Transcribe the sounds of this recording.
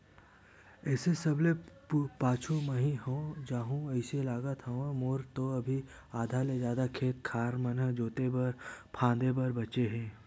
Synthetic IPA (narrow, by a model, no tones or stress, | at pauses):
ɛːsesɐble | paːt͡ʃʰõmɐɦĩɦõːd͡ʒaːɦũɐɪselaːɡət̪ʰɦəmoːɾt̪oɐbʱi | aːd̪ʱaled͡ʒjaːd̪akʰeːt̪̚kʰaːɾmɐnəd͡ʒoːt̪ebɐɾpʰãːd̪ebɐɾbɐt͡ʃeɦɛ̃ː